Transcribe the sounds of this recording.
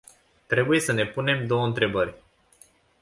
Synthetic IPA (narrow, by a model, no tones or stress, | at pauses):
t̪ɾe̞buje̞səne̞pune̞md̪o̞wəɨnt̪ɾe̞bərʲ